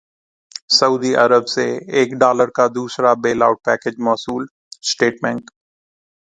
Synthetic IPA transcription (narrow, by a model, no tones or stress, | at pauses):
səuːd̪iʔɐɾəbseeːkɖaːləɾkad̪uːsɾabeːlaːʊʈ̚pɛːked͡ʒmɔːsuːl | sʈeːʈbɛ̃ŋk